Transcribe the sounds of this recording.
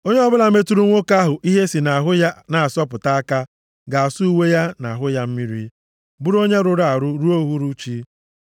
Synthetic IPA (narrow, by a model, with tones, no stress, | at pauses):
o˦ɲe˦ɔ˦bʊ˦la˨˦me˦tu˦ɾu˦ŋʷo˦ka˦ɦʊ˨ʔi˦ɦe˦si˨na˨a˨ɦʊ˦ja˦na˨a˨sɔ˦pʊ˨ta˦a˦ka˦ | ɡa˨a˨su˦u˦we˦ja˦na˨ɦʊ˦ja˦m̩˦mi˦ɾḭ˦ | bu˦ɾo˦ɲe˦ɾʊ˦ɾa˨a˨ɾʊ˦ɾu˦o˦ɦu˦ɾu˦t͡ʃi˦